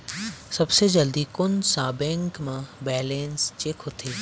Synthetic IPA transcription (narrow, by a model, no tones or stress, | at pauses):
sɐbsed͡ʒɐld̪ikʊnsaːbẽŋkmãbɛːlẽːnst͡ʃekɦot̪ʰeː